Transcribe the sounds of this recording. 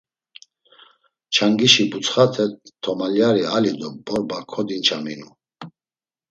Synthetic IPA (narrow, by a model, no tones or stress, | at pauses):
t͡ʃʰaŋɡiʃibut͡sχat̪ʰɛt̪ʰɔmaljaɾialid̪ɔbɔɾbakʰɔd̪int͡ʃʰaminu